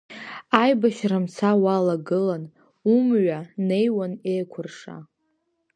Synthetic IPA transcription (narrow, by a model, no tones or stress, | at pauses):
ajbaʃramt͡sʰawalaɡɨlan | umɥane̞jwanejkʷʰʊrʂa̰